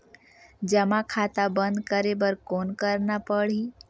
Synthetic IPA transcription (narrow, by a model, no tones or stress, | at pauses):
d͡ʒəmakʰaːt̪abə̃nd̪kəɾebəɾkonkəɾnapəɽ̤i